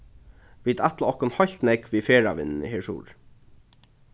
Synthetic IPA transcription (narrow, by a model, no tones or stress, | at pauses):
ʋiːt̪æt̪laɔhkʊnhɔjl̥t̪nɛkʋiːfeːɹa̰ʋɪ̰nnə̰hɛʂṵːɹ